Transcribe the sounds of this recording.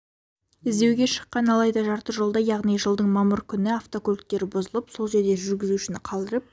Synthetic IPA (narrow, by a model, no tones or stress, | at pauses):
ɪzd̪e̞wɡʲe̞ʃə̥qːɑnɑlˠɑjd̪ɑʒɑɾt̪əʒo̞lˠd̪ɑjɑʁnijʒəlˠd̪əɴmɑməɾkʲʰʏnɪaft̪o̞kolk̚t̪ːe̞ɾbozəlˠəpso̞lˠʒe̞ɾd̪e̞ʒʏɾɡʲɪzuɪʃɪnɪqʰɑlˠd̪əɾəp̚